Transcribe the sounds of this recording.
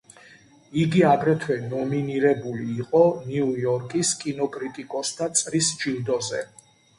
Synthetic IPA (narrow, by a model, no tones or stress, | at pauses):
iɡiaɡɾɛt̪ʰwɛnɔminiɾɛbuliːqʼɔniujɔɾkʼiskʼinɔkʼɾit̪ʼikʼɔsd̪ʰat̪sʼɾisd͡ʒilˠd̪ɔzɛ̰